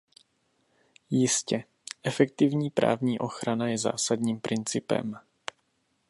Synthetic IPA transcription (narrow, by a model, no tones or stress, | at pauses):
jɪscɛ | ʔɛfɛk̚t̪ɪvɲiːpɾʔa̰ːvɲiːʔo̞xɾanajɛza̰ːsad̪ɲiːmpɾʔɪnt͡sɪpɛ̰m